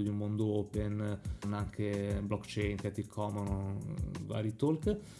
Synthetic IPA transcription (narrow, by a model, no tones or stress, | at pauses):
d̪iummond̪oopennaŋkʰeblɔkt͡ʃejnkɛt̪ikʰɔmonova̰ːɾit̪olk